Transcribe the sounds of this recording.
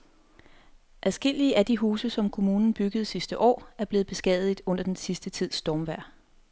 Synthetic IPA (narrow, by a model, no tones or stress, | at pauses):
ʔæðˠsɡ̥e̝l̰iəʔæd̥iɦuːsəsɒ̽mkʰo̝muːnn̩b̥yɡ̥əð̞̩ˠsisd̥əʔɒ̰ːæɐb̥le̝ːð̩ˠb̥e̝sɡ̥ɛːðˠid̥ɔ̽n̰ɐd̥ensisd̥ət͡sʰið̰ˠsd̥ɒːmʋæɐ̰